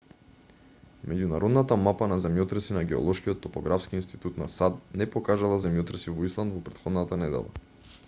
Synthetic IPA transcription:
mɛɟunaɾɔd̪nat̪amapanazɛmjɔt̪ɾɛsinaɡɛɔ̰lˠɔʃkijɔt̪ːɔpɔɡɾafskiinst̪i̥t̪ut̪nasad̪nɛpɔkaʒalˠazɛmjɔt̪ɾɛsivɔislˠand̪vɔpɾɛt̪xɔd̪nat̪anɛd̪ɛ̰lˠa̰

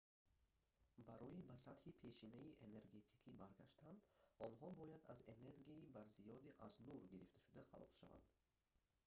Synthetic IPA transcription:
baɾɔibasat̪hipʰe̞ʃinaiʔene̞ɾɡe̞t̪ʰi̥kʰibaɾɡa̰ʃt̪ʰand̪ɔnɦɔbɔjad̪a̰ze̞ne̞ɾɡiaibaɾzijɔd̪iʔaznuɾɡiɾift̪ḁʃud̪aχa̰lɔ̰sʃa̰va̰nd̪̥

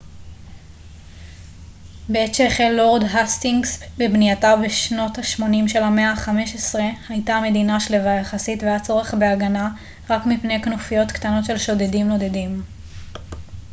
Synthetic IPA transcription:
beetʃeχelːoʁdɦast̪iŋɡsbebnijatabeʃno̞thaʃmo̞nimʃe̞lame̞aχameʃesʁe̞hajtaame̞d̪inaʃlevajaχasitveat͡so̞ʁe̞χbe̞aɡana | ʁakmipne̞jknofijo̞t̪ktano̞tʃe̞lʃodedimno̞d̪e̞dim

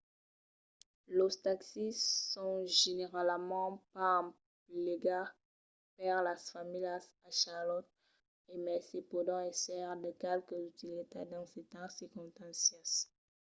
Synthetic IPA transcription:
lɔst̪aksisɔ̃ʒeneʁalmɑ̃pã | pleɡa | pɛʁlasfamilasaʃalɔt̪̚ | emɛsepɔd̪ɑ̃ɛsɛʁd̪əkɛlkəzyt̪ilet̪ad̪ɑ̃set̪ɛ̃sikɔ̃t̪ɛ̃sjas

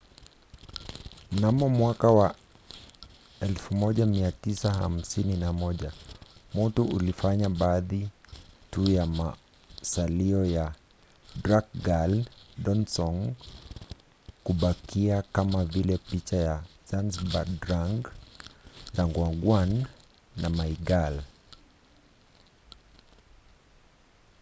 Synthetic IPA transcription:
m̩namɔmwakawa | ɛlfumɔʄamiatisaha̰m̩sininamɔʄamutuʔulifaɲaɓaːðitujama | saliɔja | dɾak̚ɡalɗɔnsɔŋ | kuɓakʰiakamavilɛpit͡ʃajazanzɓa̰dɾaŋɡ | zaŋɡwaɡwanː | amaiɡal

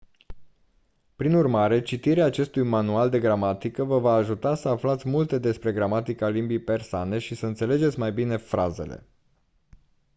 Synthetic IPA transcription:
pɾinurmaɾe̞t͡ʃit̪iɾeaːt͡ʃe̞st̪ujmanuald̪e̞ɡɾamat̪ikəvəvaːʒut̪asəaflat̪sʲmult̪e̞d̪e̞spɾe̞ɡɾamat̪ikəalimbijpe̞rsoane̞ʃisəɨnt̪sele̞d͡ʒe̞t̪sʲmajbine̞fɾaze̞̰lḛ

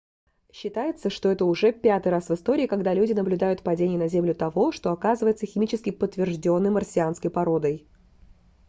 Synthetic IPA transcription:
ɕːɪt̪ajɪt̪səʂt̪o̞ɛt̪əʊʐɛpʲat̪ɨjɾasvɨst̪o̞ɾʲɪːkɐɡd̪alʲudʲɪnəblʲʊd̪ajʊt̪pɐdʲenʲɪjənɐzʲemlʲʊt̪ɐvo̞ʂt̪o̞ɐkazɨvəjɪt̪səxʲɪmʲit͡ɕɪskʲɪpət̪ːvʲɪrʐdʲo̞nːɨjmərsʲɪanskəjpɐɾo̞d̪əj

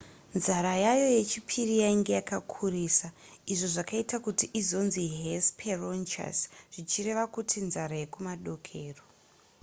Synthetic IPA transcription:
nzaɾajajo̞je̞t͡ʃipʰirijaiŋɡe̞jakakʰuriːsa | iʐo̞ʐakaitakutiʔizo̞nziɦespʰeront͡ʃa̰sʐ̥it͡ʃire̞ʋakutʰinzaɾaje̞kumaɗo̞kʰe̞ːro

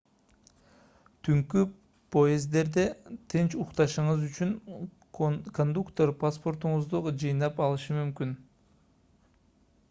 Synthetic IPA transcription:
t̪ʰyŋky | pojezd̪e̞ɾd̪et̪ʰent͡ʃuqt̪ɑʃɯɴɯzyt͡ʃyn | kond̪ukt̪oɾpʰaspo̞ɾt̪uɴʊzd̪ud͡ʒɯjnɑpɑlˠɯʃɯmymkyn

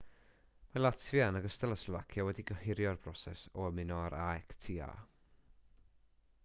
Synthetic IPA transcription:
malˠatʰvianəɡəstəlˠəsla̰kʰjawɛdiɡəhɪɾjɔrb̥rɔsɛ̰sɔəmɪnɔaɾaɛktʰiːa̰

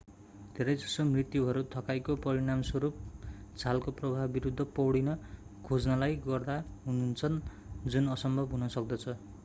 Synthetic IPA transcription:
d̪ʱeɾʌjd͡zʌsomrit̪juɦʌɾut̪ʰʌkajkopʌɾiɽ̃amswʌɾup̚t͡sʰalkoprʌbʱabiɾud̪ʱːʌpʌwɽinʌ | kʰod͡znalajɡʌrd̪aɦununt͡sʰʌn | d͡zunʌsʌmbʱʌbɦunʌsʌk̚d̪ʌt͡sʰʌ

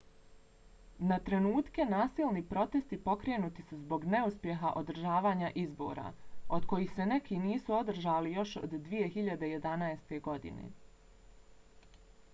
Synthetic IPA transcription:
nat̪ɾe̞nuːt̪ke̞naːsilˠnipɾo̞t̪e̞st̪ipo̞kɾeːnuːt̪isuzbo̞ɡne̞uspje̞ɦaʔo̞d̪ɾ̩ʒaːʋaːɲaʔizbo̰ːɾa̰od̪ko̞jixse̞ne̞kiniːsuo̞d̪r̩ʒaːlijo̞ʃo̰d̪ːʋije̞xiʎad̪eje̞d̪anaest̪e̞ɡo̞d̪ḭnḛ

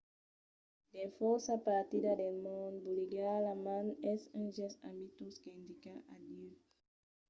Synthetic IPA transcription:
d̪efɔɾsapaɾt̪id̪adelmɔ̃nbuliɡalamãnɛsɛ̃ŋʒɛsã̰mbit̪uskeĩnd̪ikaʔadi

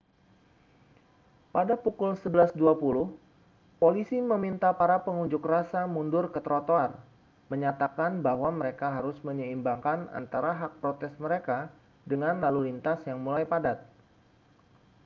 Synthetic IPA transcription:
padapukʊlsəbəlasduapulʊh | polisiməmint̪apaɾapəŋuɲd͡ʒʊkrasamundʊrkət̪əɾot̪oar | məɲat̪akanbahwaməɾekaɦaɾʊsməɲəimbaŋkana̰nt̪aɾaɦak̚pɾot̪ɛsməɾeka | dəŋanlalulint̪asjaŋmulajpadat̪̚

